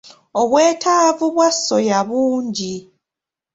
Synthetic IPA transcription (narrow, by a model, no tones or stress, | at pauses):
oβwe̞ːtʰaːvuβwasːo̞jaβuːɲɟi